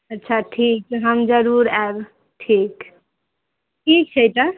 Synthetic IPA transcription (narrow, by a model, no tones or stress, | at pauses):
ətːt͡ʃʰaʈʰik̚t̪ɦəmd͡ʒəɾuɾab | ʈʰik | ʈʰik̚t͡ʃʰəjt̪ə